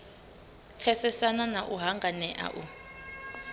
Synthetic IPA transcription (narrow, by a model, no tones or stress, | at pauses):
kʰɛsɛsananaʔuɦaŋɡʱanɛʔa̰ʔu